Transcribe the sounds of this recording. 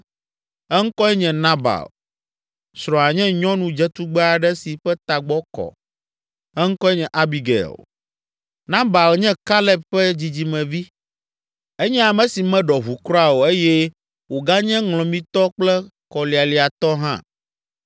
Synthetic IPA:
ɛ˦ŋ̩˦kɔ˦ɛ˦ɲɛ̃˨nã˦ba̰˨l | sɾɔ̃˨a˨ɲɛ̃˦ɲɔ̃˦nũ˦d͡ʒɛ˦t̪u˦ɡ͡bɛ˦a˨ɖɛ˦si˨ɸɛ˦t̪a˨ɡ͡bɔ˦kɔ̰˨ | ɛ˦ŋ̩˦kɔ˦ɛ˦ɲɛ̃˨ʔa˦bi˨ɡɛ̰˨l | nã˦ba˨lɲɛ̃˦ka˦lɛ˦pɸɛ˦d͡ʑi˨d͡ʑi˨mɛ̃˨vi˦ | ɛ˦ɲɛ̃˦a˨mɛ̃˨si˨mɛ̃˦ɖɔ˨ɦu˨kɾɔ˦a˨wo˨e˦jɛ˦ | wo˨ɡa˦ɲɛ̃˦ŋlɔ̃˨mĩ˦t̪ɔ˦k͡plɛ˦ | kɔ˨li˨a˨li˨a˨t̪ɔ˦ɦã̰˦

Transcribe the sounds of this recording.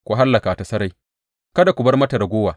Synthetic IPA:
kʷu˨ɦa˦lːɐ˨ka˨a˨ta˨sɐ˦ɾa˦j | kɐ˦da˨kʷʊ˨bɐ˦rmɐ˦tɐ˨ɾa˨ɡʷoː˦waː˨

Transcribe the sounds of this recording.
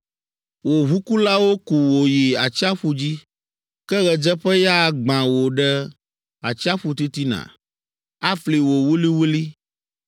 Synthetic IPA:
wo˨ɦu˦ku˦la˦wo˦ku˨wo˨ji˨a˨t͡ɕi˦a˦ɸu˦d͡ʑi˦ | kɛ˦ɣɛ˨d͡ʒɛ˦ɸɛ˦ja˦˨ɡ͡bã˨wo˨ɖɛ˦ | a˨t͡ɕi˦a˦ɸu˦t̪i˦t̪i˦nã̰˨ | a˦fli˨wo˨wu˦li˦wu˦li˦

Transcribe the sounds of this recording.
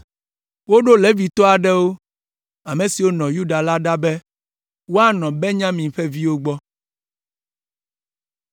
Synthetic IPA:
wo˦ɖo˦le˦vi˨t̪ɔ˦a˨ɖɛ˦wo˦ | a˨mẽ˨si˨wo˦nɔ̃˨ju˦ɖa˨la˦ɖa˦bɛ˦ | wo˦a˦nɔ̃˨bɛ˦ɲã˦mĩ˨ɸɛ˦vi˦wo˦ɡ͡bɔ˦

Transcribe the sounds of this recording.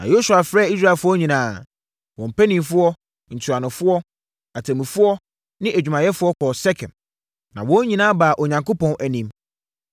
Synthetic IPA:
nã̰˨jo˦su˨a˨fɾɛː˦i˦s̬ɾa˦˨fʊ˦ɔ˦ɲĩ˨nãː˨ | wɔ̃˨m̩˨pæ˦nĩ˨mfʊ˦ɔ˦ | n̩˨tʰu˨ɾa˨nʊ̃˨fʊ˦ɔ˦ | a˨tʰæ̃˨mĩ˨fʊ˦ɔ˦ | nɪ̃˦ʔæ˨d͡ʑᶣu˨mã˨jɛ˦fʊ˦ɔ˦kʰɔ˨sɛ˦kʰɛ̰̃˨n | nã˨wɔ̃˦ɲĩ˨nãː˦ba˨ʔɔ˨ɲã˨ŋko˦pɔ̃˨nʔæ˨nĩ˦m

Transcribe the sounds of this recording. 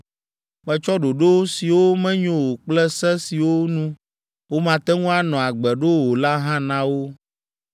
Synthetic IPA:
mɛ̃˦t͡ʃɔ˦ɖo˨ɖo˦si˨wo˦mɛ̃˦ɲõ˨wo˨k͡plɛ˦sɛ˦si˨wo˦nũ˦ | wo˦mã˨t̪ɛ˦ŋũ˦a˨nɔ̃˨a˨ɡ͡bɛ˨ɖo˦wo˨la˦ɦã˦nã˦wo˦

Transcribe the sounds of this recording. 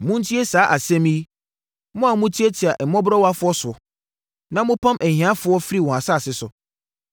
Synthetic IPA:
mʊ̃˦n̩˦tʰi˦e˦saː˨˦ʔa˨sɛ̃˦mĩ˦i˦ | mʊ̃˦a˨mʊ̃˦tʰi˦e˦tʰɪ˨a˨ʔɛ˨mɔ̃˦bɾɔ˦wa˦fʊ˦ɔ˦sʊ˨ɔ˨ | nã˦mʊ̃˦pʰã˦mʔɛ˨hĩ˨ã˦fʊ˦ɔ˦fi˦ɾi˦˨wɔ̃˨a˨sa˦˨sɪ˦sʊ˨

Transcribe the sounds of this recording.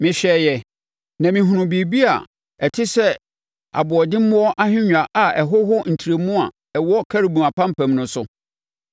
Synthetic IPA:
mɪ̃˨ɕᶣɛ˨jɛ˨ | nã˨mĩ˨ɦũ˨nʊ̃˨bi˨bi˦a̰˨ | ɛ˨tʰɪ˦sɛ˦ | a̰˨bʊ˨ɔ˨dɪ̃˦m̩˦mʊ̃˦ɔ˦ʔa˦ɦᶣɪ̃˦ɲᶣã˨ʔa˨ɛ˨ɦʊ˦ɦʊ˦n̩˨tʰi˨ɾe˨mũ˦a˨ | ɛ˨wɔ˦kʰæ˦ɾi˨bũ˨a˨pʰã˦m̩˦pʰæ̃˨mnʊ̃˨sʊ˨

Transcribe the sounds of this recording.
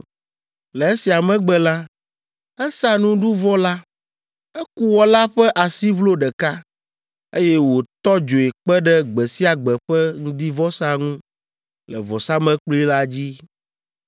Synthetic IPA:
lɛ˨e˦si˨a˨mɛ̃˦ɡ͡bɛ˦la˦ | ɛ˦sa˦nũ˦ɖu˦vɔ˦la˦ | ɛ˦ku˦wɔ˦la˦ɸɛ˦ʔa˨si˦βlo˦ɖɛ˨ka˦ | e˦jɛ˦wo˨t̪ɔ˦d͡ʒo˨e˨k͡pɛ˦ɖɛ˦ɡ͡bɛ˨si˦a˨ɡ͡bɛ˨ɸɛ˦ŋ̩̃˦d̪i˦vɔ˦sa˦ŋũ˦ | lɛ̰˨vɔ˨sa˦mɛ̃˦k͡pli˦la˦d͡ʑi˦

